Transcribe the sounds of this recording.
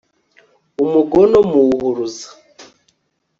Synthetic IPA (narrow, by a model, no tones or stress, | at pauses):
umuɡɔnɔmuhuɾuzḁ